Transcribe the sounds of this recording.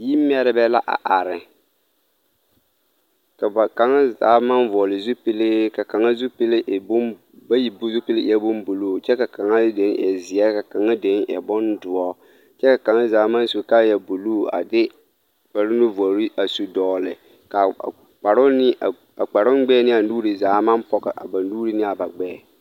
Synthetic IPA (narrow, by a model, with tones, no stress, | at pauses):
ji˦m˦ɛ˦ɾɪ˦bɛ˦la˦ʔa̰˨ʔa˨ɾɪ˨ | ka˨ba˨ka˨ŋa˦za̰ː˨˦ma˦nvɔ˨lɪ˨zu˦pi˦lɪ˦ka˨ka˨ŋa˦zu˦pi˦lɪ˦ʔbʊ˦ | ba˦ji˨bʊ˦zu˦pi˦lɪ˦˨ɛ˦bʊ˦mbu˨lu˦˨t͡ʃɛ˦ka˨ka˨ŋa˦de˨˦ŋɛ̰˨zɪ˨ɛ˦ka˨ka˨ŋa˦de˨˦ŋjɛ̰˨bɔ˦ndʊ˨ɔ˦ | t͡ʃɛ˦ka˨ka˨ŋa˦zaː˨˦ma˦n˦su˨˦ka˦˨jɛ˨bu˨loː˦˨a̰˨dɪ˦ | ba˨ɾɪ˦nʊ˦vɔ˨ɾɪ˦ʔa˨su˨dɔː˨lɪ˨ | ka˨ | k͡pa˨ɾʊ˦nɪ˦˨ | a˨k͡pa˨ɾʊ˦n˦ɡ͡bɛː˦nɪ˦a˨nuː˦ɾi˨zaː˨˦ma˦mpɔ˨ka̰˨ʔa̰˨ba˨nuː˦ɾi˦nɪ˦a˨ba˨ɡ͡bɛː˦ɛ˨